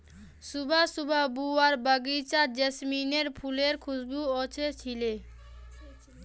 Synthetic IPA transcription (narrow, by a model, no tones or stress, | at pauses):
subʱasubʱabuaɾbaɡit͡ɕad͡ʑesmineɾpʰuleɾkʰusbuot͡ɕʰet͡ɕʰile